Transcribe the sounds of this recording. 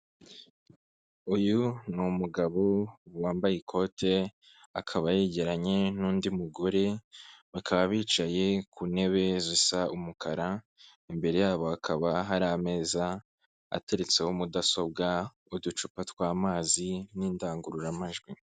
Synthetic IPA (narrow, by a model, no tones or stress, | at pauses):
ujunumuɡaβowaːmbajikʰo̞tʰe̞ | akʰaβajeɟe̞ɾaɲe̞nuːndimuɡoɾe̞βakʰaβaβiːt͡ʃaje̞kʰune̞βe̞zisaumukʰaɾa | imbe̞ɾe̞jaːβo̞akʰaβaɦaɾame̞ːza | a̰te̞ɾet͡se̞homudaso̞b̚ɡa | udut͡ʃupatwaːmaːziniːndaːŋɡuɾuɾamaʒɡwi